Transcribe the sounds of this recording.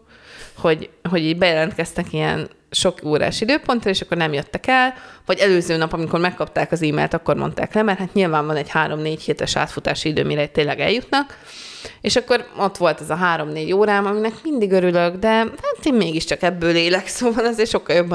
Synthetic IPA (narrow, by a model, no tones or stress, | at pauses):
ho̞ɟɦo̞ɟiːɟbɛjɛlɛnt̪kɛst̪ɛkiɛ̰n | ʃo̞koːɾa̰ːʃid̪øːpo̞nt̪rɒeːʃɒkːo̞rnɛmjøt̪ːɛkɛlvɒɟɛløːzøːnɒpɒmiko̞rmɛkːɒpt̪aːkɒziːmḛːlt̪ɒkːo̞ɾmo̞̰nt̪a̰ːklɛmɛrhaːt̪ɲilvaːɱvɒnɛɟhaːɾo̞mneːchiːt̪ɛʃa̰ːt̪fut̪a̰ːʃiid̪ø̰ːmiɾɛt̪ːeːnlɛɡɛ̰ljut̪nɒk | eːʃɒkːo̞ɾo̞t̪ʋo̞lt̪ɛzɒɦaːɾo̞mneːɟoːɾaːmɒminɛkmind̪iɡøɾyløɡd̪ɛhaːt̪eːmmeːɡiʃt͡ʃɒkɛbːøːleːlɛksoːvɒnɒzeːrʃo̞kːɒljobː